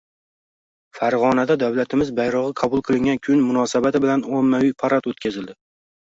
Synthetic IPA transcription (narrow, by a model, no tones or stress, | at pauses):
faɾʁɒnad̪ad̪awlat̪ʰɪmɪzbajɾɒʁɨqʰɑbʊlˠqʰɨlˠɪŋɡʲankʲʰʊnmʊnɒsabat̪ɪbɪlanomːawijpʰaɾat̪ot̪kʲazɪld̪ɪ